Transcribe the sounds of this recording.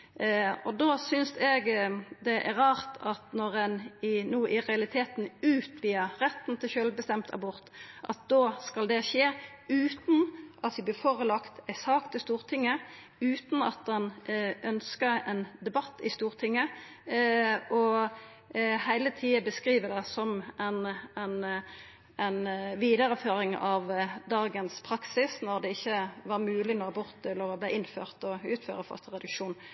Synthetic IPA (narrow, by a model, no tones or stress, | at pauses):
ɔd̪oːsʏnsɛɡd̪ɛʔæʁɑːʁt̪ʰɑt̪nɔʁɛnɪnuːʔɪʁɛɑlɪt̪ʰeːt̪nʉːt̪ʰʋiːəʁɛt̪n̩t̪ʰɪlʃølbəst̪ɛmt̪ʰɑ̰bʊʁt̪ʔɑ̰t̪̚d̪oːskɑld̪ɛʃeː | ʉːt̪n̩ʔɑt̪ʋɪblɪːfɔʁəlɑkt̪æɪsɑːkt̪əst̪uːʁt̪ʰɪŋːə | ʉːt̪n̩ɑ̰t̪̚d̪ɛnʔœnskəɛnd̪ɛbɑt̪ːɪst̪uːʁt̪ʰɪŋːə | ɔ | hæɪlət̪ʰiːəbəskʁiːʋəd̪ɛsɔmænæɪn | ænʋiːd̪əɾəføːʁɪŋɑʋd̪ɑːɡənspʰʁɑksɪsnɔʁd̪ɛɪçːəʋɑʁmʉːlɪnoːɑbʊʁt̪ɛlːəʁɔblæɪɪnfø̰ːʁt̪ɔʉːt̪fø̰ːʁəfœ̰ʁst̪əʁɛd̪ʉkʂuːn